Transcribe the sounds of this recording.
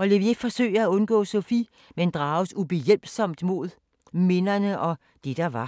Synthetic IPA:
ɒ̽le̝ʋefɒ̽sø̰ɪ̰æɔ̽nɡ̥ɔ̰̽ːsofi | mend̥ʁɑ̈ːʊsub̥ejel̰b̥sɒ̽m̰d̥mo̝ð̞ˠ | me̝nɐnəʔɒ̽ | d̥ed̥ɑ̈ʋɑ̈

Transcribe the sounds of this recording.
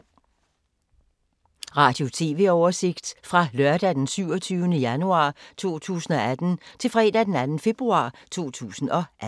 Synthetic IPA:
ʁɑ̈ːd̥jo̝t͡sʰe̝̰ːʋe̝ɒʊɐse̝ɡ̥d̥fʁɑ̈lɶɐd̥æd̥ensyʊ̰ɒt͡sʰyːʊənəjænuɑ̰̈ːt͡sʰo̝̰ːt͡sʰṵːsn̩ɒ̽æd̥n̩t͡sʰe̝lfʁɛ̰ːd̥æd̥enænn̩fe̝b̥ʁuɑ̰̈ːt͡sʰo̝̰ːt͡sʰṵːsn̩ɒ̽ʔæ

